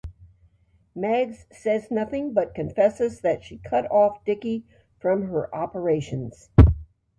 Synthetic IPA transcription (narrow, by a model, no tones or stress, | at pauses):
mæɡz̥sɛznʌθɪ̃ŋbʌt̚kɨ̃ɱfɛsɨzðɨtʃikʰʌɾɔfd̥ɪki | fɹʌ̃mə˞ʔɑpə˞eɪʃɨ̃nz̥